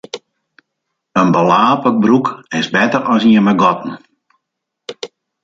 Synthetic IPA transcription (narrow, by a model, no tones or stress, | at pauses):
ənbəlaːpəbrukɪsbɛtərɔsiəməɡɔtn̩